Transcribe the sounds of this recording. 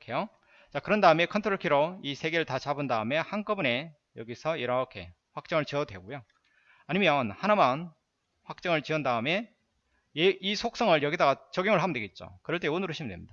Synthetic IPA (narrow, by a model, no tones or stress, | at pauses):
kʰe̞jo | t͡ɕakɯɾʌndaɯme̞kʰʌntʰoɾoɭkʰiɾoisʰe̞ɡe̞ɾɯɭtat͡ɕabɯndaɯme̞hank͈ʌbune̞ | jʌɡisʰʌiɾʌkʰe̞̰ | ɸwak̚t͡ɕ͈ʌŋɯɭt͡ɕiʌdwe̞̰ɡojo | aɲimjʌnhanaman | ɸwak̚t͡ɕ͈ʌŋɯɭt͡ɕiʌndaɯme̞ | eisʰok̚s͈ʌŋɯɭjʌɡidaɡat͡ɕʌɡjoŋɯɭɦamndweɡe̞t̚t͡ɕ͈o̰kɯɾʌɭt͈e̞onɯɾɯɕʰimindwe̞mɲid̥a